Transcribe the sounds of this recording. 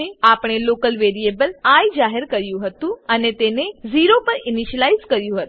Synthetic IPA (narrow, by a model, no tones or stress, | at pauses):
eapɽ̃elokəlʋeɾijebəlaid͡ʒaɦəɾkəɾjũɦət̪ũənet̪eneziɾopəɾɪniʃəlaizkəɾjũɦət̪